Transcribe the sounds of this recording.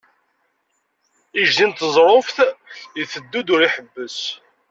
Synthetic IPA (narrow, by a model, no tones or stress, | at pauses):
iʒzint̪əzˤɾˤofθjθəd̪ːud̪ʊɾiħəbːəs